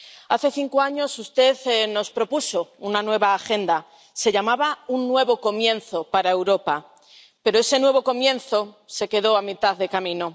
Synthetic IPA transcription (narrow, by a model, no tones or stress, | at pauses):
aθe̞θiŋkoaɲo̞sust̪e̞ðno̞spɾo̞puso̞unanwe̞β̞aːxe̞nd̪a | se̞ʎamaβaunːwe̞βo̞ko̞mjẽ̞nθo̞paɾae̞wɾo̞pa | pe̞ɾo̞e̞se̞nwe̞βo̞ko̞mjẽ̞nθo̞se̞ke̞ð̞o̞amit̪aððe̞kamĩno̞